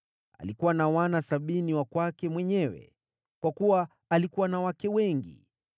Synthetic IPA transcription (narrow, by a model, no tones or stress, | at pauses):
a̰likuwanawanasaɓiniwakwakɛmwɛɲɛwɛ̰ | kwakuwaː | likuwanawakɛwɛŋɡḭ